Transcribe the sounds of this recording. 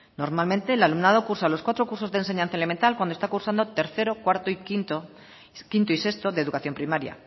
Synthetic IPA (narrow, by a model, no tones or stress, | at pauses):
no̞ɾmalmẽnt̪e̞lalumnað̞o̞kuɾsalo̞skwat̪ɾo̞kuɾso̞zðense̞ɲãnθaele̞ment̪alkwand̪ost̪akuɾsand̪o̞t̪e̞ɾθe̞ɾo̞kwaɾt̪oikt̪o | kint̪oise̞st̪o̞ðeðukaθjo̞mpɾimaɾja̰